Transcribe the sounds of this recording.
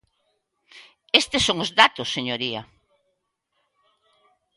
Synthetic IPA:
est̪esːoŋʊzðat̪ʊsːeɲoɾiɐ

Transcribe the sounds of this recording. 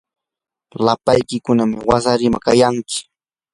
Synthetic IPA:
lapajkɪkʊnamɪwasaɾɪmakajaŋkɪ̥

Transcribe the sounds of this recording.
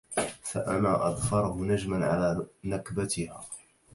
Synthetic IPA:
faʔanaːʔɑd̪ˤfɑɾˤhʊnad͡ʒmanʕa̰laːnakbat̪ɪhaː

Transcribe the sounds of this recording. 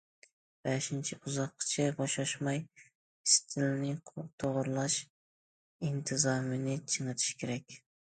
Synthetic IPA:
b̥ɛʃɪnt͡ʃʰɪuzɑqʰːɨ̥t͡ʃʰɛbɑʃɑʃmɑj | ɪst̪ʰɪlnɪt̪ʰoʁʊɾlˠɑʃ | int̪ʰɨzɑmɪnɪt͡ʃʰɨŋɨt̪ʰɪ̥ʃkʲʰeɾɛk̚ʲ

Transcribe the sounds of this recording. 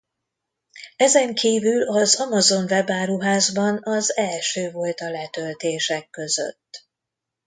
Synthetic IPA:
ɛzɛŋkʰiːvylɒzɒmɒzo̞nvɛbaːɾuɦaːzbɒnɒzɛlʃøːvo̞lt̪ɒlɛt̪ø̞lt̪eːʃɛkːø̞zø̰t̪ː

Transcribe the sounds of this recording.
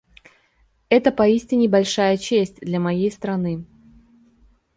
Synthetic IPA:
ɛt̪əpɐisʲtʲɪnʲɪbɐlʲʂajət͡ɕesʲtʲd̪lʲamɐjejst̪ɾɐnɨ

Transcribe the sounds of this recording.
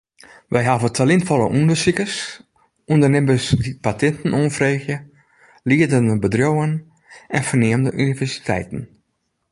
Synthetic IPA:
ʋɛjɦavətʰalɪntfɔləʔundəsikəs | undərnɪmbəsdipatɛntn̩onfreːxjə | liədəndəbədrowən | ʔɛnfərnɪəmdəʔynivɛɹsi̥tʰɛ̰jtn̩

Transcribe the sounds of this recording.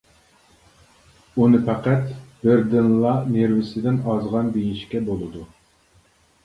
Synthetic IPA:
unɨpʰæqæt̪b̥ɪɾd̪ɪnlˠɑneɾvɪsɪd̪ɪnɑzʁɑnb̪ejnʃkʲɛbolˠɨd̪u

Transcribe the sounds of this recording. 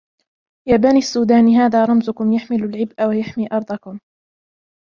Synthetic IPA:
jaːbaniːasːuːd̪aːnɦaːðaːɾˤɑmzʊkʊmjaħmɪlʊlʕɪbʔawajaħmiːʔɑɾˤd̪ˤɑkʊm

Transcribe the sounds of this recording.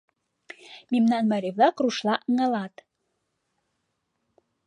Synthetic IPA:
memnɑnmɑɾʲeβlɑkruʃlɑʔə̆ŋɑ̆lɑt̪

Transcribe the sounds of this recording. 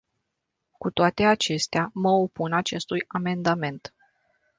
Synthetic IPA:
kut̪oat̪e̞at͡ʃe̞st̪eaməopunat͡ʃe̞st̪ujame̞nd̪ame̞nt̪

